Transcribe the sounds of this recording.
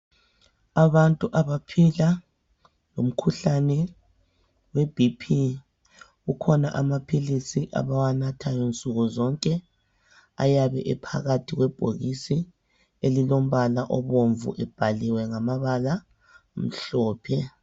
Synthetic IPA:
aβantʼuʔaβapʰila | lom̩kʰuɬanɛ | web̥ʱipʰi | ɣukʰɔnaʔamapʰilisiʔa̰βawanatʰajɔnt͡sʼuɣɔzɔŋkʼɛ | a̰jaβɛ̰ʔɛpʰa̰ɣatʰiɣwɛb̥ʱo̰ɣisi | elilom̩βalaʔɔβoɱvṵʔɛb̥ʱaliwɛŋamaβala | m̩ɬɔːpʰɛ

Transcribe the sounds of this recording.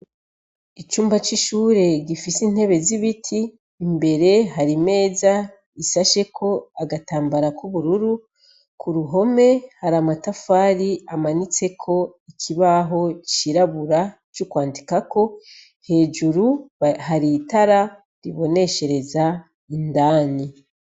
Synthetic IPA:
it͡ʃuːmbat͡ʃiʃuːɾe̞ɡifisin̥he̞βe̞ziβitʰiː | mbe̞ɾe̞ɦaɾime̞ːza | isaʃe̞kʰo̞aɡataːmbaɾakuβuɾuɾu | kʰuɾuɦo̞me̞haɾamatafaːɾiamanit͡se̞kʰo̞ikʰiβaɦo̞t͡ʃiɾaβuɾa | t͡ʃukwaːndikako̞ | he̞ːd͡ʒuɾuhaɾitaɾa | ɾiβo̞ne̞ʃe̞ɾe̞za | indaːni

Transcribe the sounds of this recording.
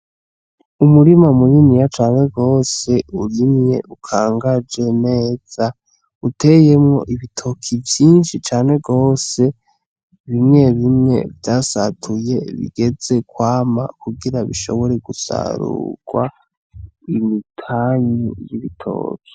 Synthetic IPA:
umuɾimamujinijat͡ʃaːne̞ɡo̞ːse̞uɾimɲe̞̰ʔukʰaːŋɡad͡ʒe̞ne̞ːz̥a | utʰe̞je̞mŋo̞̰ʔiβitʰo̞kʰivjiːnʃit͡ʃaːne̞ɡo̞ːse̞ | βimŋe̞βimŋe̞̰vdasatʰuje̞βḭɡ̥e̞d͡ze̞kwaːma̰kuɡiɾaβḭʃo̞̰βo̞ɾe̞ɡusa̰ɾṵɡ̥wa̰ | imitʰaɲijiβitʰo̰ːki̥

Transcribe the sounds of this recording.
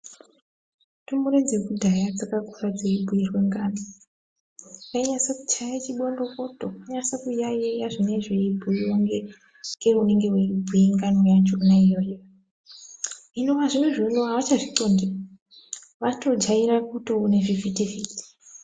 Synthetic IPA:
tumuɾed͡zekudʱajad͡zakakurad͡zeibʱuirweŋɡaːno | kaiɲasaku̥t͡ʃajat͡ʃiɓondo̞ko̞tokuɲasakujajejaʐineʐeibʱuiwoŋɡe | ŋɡeune̞ŋɡe̞weibʱujeŋɡanojat͡ʃonaijojo | ɦinoʋaʐimweʐenoɦaʋat͡ʃaʐiǀondia | ʋato̞d͡ʒaiɾakutouneʐivitiviːti̥

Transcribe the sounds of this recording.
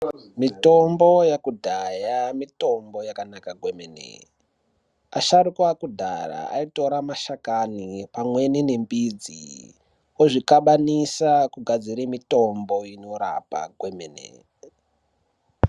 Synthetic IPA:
mito̞mbojakudʱajamito̞mbo̞jakanakaɡʱwemenḛ | aʃaɾukwakudʱa̰ra̰a̰ito̞ɾamaʃakanipamwe̞ninembid͡zḭ | oʐikaɓanisakuɡʱad͡ziɾimito̞mboino̞ɾa̰pa̰ɡʱwemenḛ

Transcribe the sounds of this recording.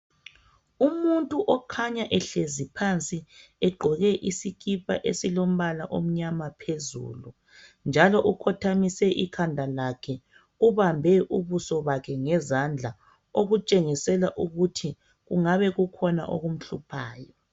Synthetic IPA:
umuntʼuʔɔkʰaɲaʔɛɬezipʰant͡sʼiɛɡ͡ǃʱɔɣɛʔisiɣʰipʰʼa̰ʔesilom̩βalaʔo̰m̩ɲamapʰezṵːlu | nd͡ʒʱalɔʔukʰɔtʰamisɛʔikʰandʱalakʰɛ | uβambʱɛʔuβusɔβakʰɛŋɛzand͡ɮʱa | oɣut͡ʃʼeŋisɛlaʔuɣutʰi | ɣuŋaβɛɣukʰɔna̰ʔo̰ɣum̩ɬupʰaːjɔ

